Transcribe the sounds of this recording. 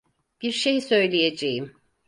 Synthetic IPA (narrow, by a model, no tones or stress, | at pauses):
b̥iɾʃejsø̞jlʲijed͡ʒejim